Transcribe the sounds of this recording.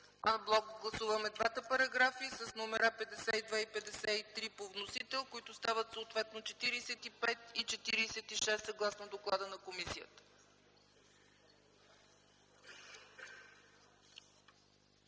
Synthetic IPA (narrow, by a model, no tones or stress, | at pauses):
anblˠɔkɡlˠɐsuvəmɛd̪vat̪əpɐɾɐɡɾafisəsnomɛɾapɛd̪ɛsɛid̪vaipɛd̪ɛsɛit̪ɾipovnosit̪ɛlˠkoit̪ʊst̪avət̪soot̪vɛt̪not͡ʃɛt̪iɾisɛt̪ipɛt̪it͡ʃɛt̪iɾiːsɛt̪iʃɛst̪sɐɡlˠasnod̪oklˠad̪ənɐkomisijə̰t̪ə̥